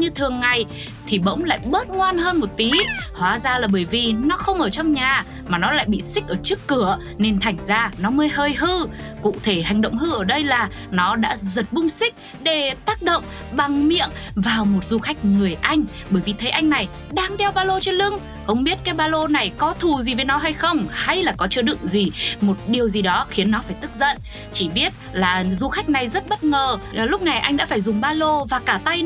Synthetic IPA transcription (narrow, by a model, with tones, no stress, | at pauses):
ɲɨ˧t̪ʰɨ˨˩əŋːa˨˩j | t̪ʰi˨˩ɓə̰˧˥wŋ͡mla̰ː˧˨jɓə˦˥t̚ŋwaː˧nɦəː˧nmo˨˩t̚t̪i˨˦hwaː˨˩˦zaː˧laː˨˩ɓəː˧˩jvi˨˩nɔ˨˦xə˧wŋ͡mʔəː˧˩t͡ɕɔ˧wŋ͡mɲaː˨˩ | maː˨˩nɔ˨˦la̰ː˧˨jɓḭ˧˨sï˦˥k̟̚ʔəː˧˩t͡ɕɨ˦˥əkːɨ˧˩ə | ne˧nt̪ʰa˨˩jŋ̟zaː˧nɔ˨˦məː˨˦jɦəː˧jɦɨ˧kṵ˧˨t̪ʰe˧˩ha˨˩jŋ̟ɗə̰˧˨wŋ͡mhɨ˧ʔəː˧˩ɗə˧jlaː˨˩ | nɔ˨˦ɗa̰ː˧˥zə˨˩t̚ɓʊ˧ŋ͡msï˦˥k̟̚ | ɗe˧˩t̪aː˦˥k̚ɗo̰˧˨wŋ͡m | ɓa˨˩ŋmḭ˧˨ənvaː˨˩wmo˨˩t̚zu˧xa˦˥jk̟̚ŋɨ˨˩əjʔa˧jŋ̟ | ɓəː˧˩jvi˨˩t̪ʰə˨˦jʔa˧jŋna˨˩j | ɗaː˧ŋɗɛ˧wɓaː˧lo˧t͡ɕe˧nlɨ˧ŋ | xə˧wŋ͡mɓi˦˥ət̚kaː˨˦jɓaː˧lo˧na˨˩jkɔ˨˦t̪ʰu˨˩zi˨˩ve˨˦jnɔ˨˦ɦa˧jxə˧wŋ͡mha˧jlaː˨˩kɔ˨˦t͡ɕɨ˧əɗɨ̰˨˧˨əŋzi˨˩mo˨˩t̚ɗi˨˩əwzi˨˩ɗɔ˨˦xi˨˦ənːɔ˨˦faː˧˩jt̪ɨ˦˥k̚zə̰˧˨n | t͡ɕi˧˩ɓi˦˥ət̚laː˨˩zu˧xa˦˥jk̟̚na˨˩jzə˦˥t̚ɓə˦˥t̚ŋəː˨˩lʊ˦˥k͡p̚na˨˩jʔa˧jŋ̟ɗa̰ː˧˥faː˧˩jzʊ˨˩ŋ͡mɓaː˧lo˧vaː˨˩kaː˧˩t̪a˧j